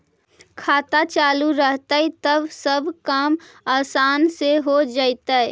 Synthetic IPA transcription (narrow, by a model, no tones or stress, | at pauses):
kʰaːt̪at͡ʃaːluɾəɦt̪əit̪əbsəbkaːm | aːsaːnseɦod͡ʒaɪt̪əɛ